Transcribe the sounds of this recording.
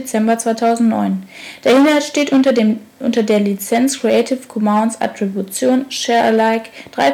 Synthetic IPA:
t͡sɛmbɐt͡sv̥aɪtʰaʊzn̩tnɔ̰ʏnd̥eːɐhɪnhalsʃteːt | ʔʊ̰ntɐdeːɐlit͡sɛnt͡skʁ̥iɛɪtʰɪfkʰɔmaʊnsʔa̰tʁ̥ibjut͡sjoːnʃɛɐlaɪkd̥ʁa̰ɪ

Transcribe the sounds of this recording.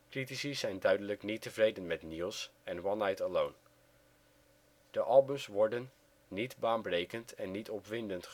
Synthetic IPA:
kritisisɛjndœɥdələknitəvrejdənmɛtniːlˠsɛnwɑnajtəlown | d̥əʔɑlˠbəmsʋɔɹdənː | idbaːnbrejkəntʰɛnːitɔpʋɪndəntχ

